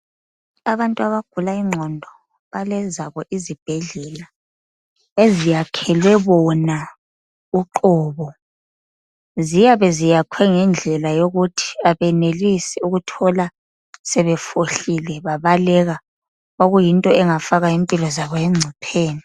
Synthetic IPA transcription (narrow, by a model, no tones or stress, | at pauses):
aβantʼuaβaɡ̥ʱulaiŋ͡ǀʱɔndʱɔ | βalɛzaβɔʔizib̥ʱɛɮɛla | ezijakʰɛlwɛβɔna | uǃɔːβɔ | zijaβɛzijakʰwɛŋɛnd͡ɮʱɛlajoɣutʰi̥aβɛnelisiuɣutʰɔla | sɛβɛfoɬilɛβaβalɛɣa | oɣujintʼɔɛŋafaɣaimpʼilɔzaβɔɛŋ͡ǀʱipʰeːni